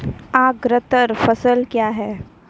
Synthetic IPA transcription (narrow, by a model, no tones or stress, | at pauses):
aːɡɾət̪əɾfɐsəlkjaːɦɛː